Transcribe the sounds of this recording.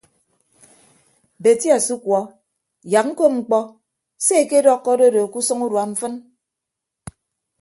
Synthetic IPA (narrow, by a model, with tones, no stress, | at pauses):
be˨ti˦a˨su˦kwɔ˨˦ | ja˨k̚ŋ̩˦ko˦ŋ͡m̩˨k͡pɔ˦ | se˦e˨ke˦dɔ˦kːɔ˦do˦do˨ku˦sɔ˦ŋu˦ɾwa˨ɱ̩˦fɨ˦n